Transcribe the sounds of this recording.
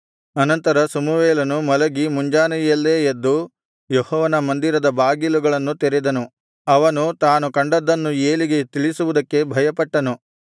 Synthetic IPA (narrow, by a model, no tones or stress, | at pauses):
ɐnɐnt̪ɐɾɐsɐmuʋeːlɐnumɐlɐɡimuɲd͡ʒaːnɐɐlːeːjed̪ːu | jehɔːʋɐnɐmɐnd̪iɾɐd̪ɐbaːɡiluɡɐɭɐnːut̪eɾɛd̪ɐnu | ɐʋɐnut̪aːnukɐɳɖɐd̪ːɐnːueːliɡe̞t̪iɭisuʋud̪ɐkːe̞bʱɐjɐpɐʈːɐnu